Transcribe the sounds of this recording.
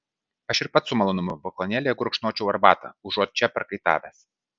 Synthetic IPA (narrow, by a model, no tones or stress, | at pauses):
ɐʃɪɾpɐt̪sʊmɐlˠoːnʊmʊbɔkˠɔnʲæːlʲejɡʊɾʊkʃnoːt͡ʃʲɛʊɐɾbɑ̰ːt̪ɐ̰ʊʒoːt̪̚t͡ʃʲɛpɐɾkɐɪt̪ɑ̰ːʋʲæs